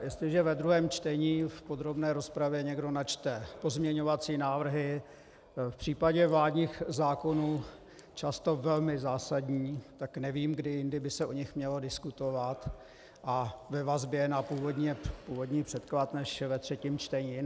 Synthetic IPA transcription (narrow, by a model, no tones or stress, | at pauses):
jɛst̪lɪʒɛvɛd̪ɾuɦɛːmt͡ʃt̪ɛɲiːfpo̞d̪ɾo̞bnɛːɾo̞spɾavjɛɲɛɡdo̞nat͡ʃt̪ɛpo̞zmɲɛɲo̞vat͡siːnaːvr̩ɦɪ | fpr̝̥iːpaɟɛvlaːdɲiːxzaːko̞nuː | t͡ʃast̪o̞vɛlmɪzaːsadɲiːt̪aknɛviːmɡdɪjɪndɪbɪsɛʔoɲɪxmɲɛlo̞dɪskut̪o̞vat̪ | ʔavɛvazbjɛnapuːvodɲɛpuːvo̞dɲiːpr̥ɛt̪klat̪nɛʃvɛt̪r̝̥ɛciːmt͡ʃt̪ɛɲiː